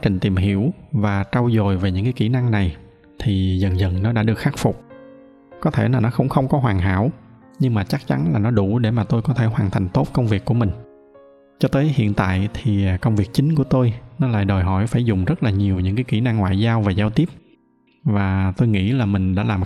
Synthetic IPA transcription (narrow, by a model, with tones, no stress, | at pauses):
a˦t͡ɕï˨˩ŋ̟t̪i˨˩mɦḭ˧˩əwvaː˨˩t͡ɕa˧wzo˨˩jve˨˩ɲɨ̰˧˥ŋkaː˨˦jki˧˩na˧ŋna˨˩j | t̪ʰi˨˩zə˨˩nzə̰˨˩nnɔ˨˦ɗa̰ː˧˥ɗɨ˨˩ək̚xa˦˥k̚fʊ˨˩k͡p̚ | kɔ˨˦t̪ʰe˧˩laː˨˩nɔ˨˦xə˧wŋ͡mxə˧wŋ͡mkɔ˨˦ɦwaː˨˩ŋɦa̰ː˧˥w | ɲɨ˧ŋmaː˨˩t͡ɕa˦˥k̚t͡ɕa˨˦nlaː˨˩nɔ˨˦ɗu˧˩ɗe˧˩maː˨˩t̪o˧jkɔ˨˦t̪ʰe˧˩ɦwaː˨˩nt̪ʰa˨˩jŋ̟t̪o˦˥p̚kə˧wŋ͡mvi˨˩əkːu˧˩əmï˨˩ŋ̟ | t͡ɕɔ˧t̪əː˨˦jhḭ˧˨ənt̪a̰ː˧˨jt̪ʰi˨˩˨kə˧wŋ͡mvi˨˩ək̚t͡ɕï˨˦ŋ̟ku˧˩ət̪o˧jnɔ˨˦la̰ː˧˨jɗəː˨˩jɦɔ˧˩jfaː˧˩jzʊ˨˩ŋ͡mzə˦˥t̚laː˨˩ɲi˨˩əwɲɨ̰˧˥ŋkaː˨˦ki˧˩na˧ŋːwa̰ː˧˨jzaː˧wvaː˨˩zaː˧wt̪i˦˥əp̚ | vaː˨˩t̪o˧jŋḭ˧˥laː˨˩mï˨˩ŋ̟ɗa̰ː˧˥laː˨˩m